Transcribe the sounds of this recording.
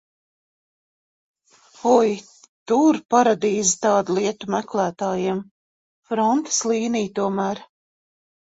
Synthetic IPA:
ɔj | t̪uɾpaɾad̪iːzit̪ɑːd̪ulˠiɛt̪umæklˠæːt̪aːjiɛm | fɾɔnt̪e̥slˠiːnijt̪uɔmæːɾ

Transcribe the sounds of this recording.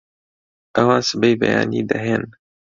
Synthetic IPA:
ʔɐwãːnsɨbejbɛ̰ja̰ːnḭːd̪ɐɦeːn

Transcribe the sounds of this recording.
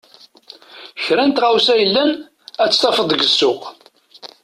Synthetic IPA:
çɾænt̪ʁawsæjəlːæn | æt͡sːt̪ˤɑfəðˤəɡəsːʊʁ

